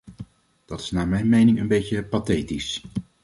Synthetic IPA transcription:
d̥ɑtɪ̥snaːɹmɛjnmejnɪŋənbejjəpatejtis

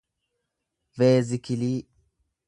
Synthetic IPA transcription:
veːzɪkɪliː

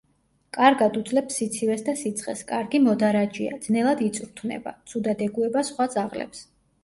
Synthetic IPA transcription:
kʼaɾɡad̪ud̪zlɛpsit̪sʰivɛsd̪asit̪sʰχʼɛ̰skʼaɾɡimɔd̪aɾad͡ʒia̰d̪z̥nɛlˠad̪it̪sʼuɾt̪ʰvnɛ̰ba̰t̪sʰud̪ad̪ɛɡuɛbasχwad̪zaʁlɛ̰ps

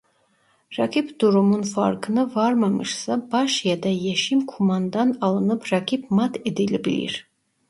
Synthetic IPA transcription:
rɑkʰipd̪̥uɾumunfa̰ɾkʰɨnɨvɑɾmamɨ̰ʃsabɑʃjad̪ajeʃimkʰumɑnd̪ɑnɑlˠɯnɨpʰrɑkʰipmat̪ʰed̪ilibilḭɾ

